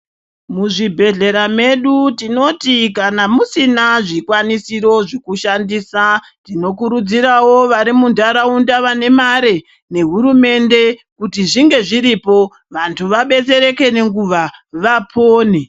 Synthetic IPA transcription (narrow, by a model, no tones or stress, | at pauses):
muʐibʱe̞ɮe̞ɾame̞ɗutino̞tikanamusinaʐikwanisiɾo̞ʐekuʃandiːsa | tino̞kuɾud͡ziɾawo̞ʋaɾimundaɾaundaʋane̞maɾe̞ | ne̞ɦuɾume̞nde̞kutiʐiŋɡe̞ʐiɾipo̞ | ʋantʰuʋaɓe̞t͡se̞ɾe̞ke̞ne̞ŋɡuʋaʋapʰoːne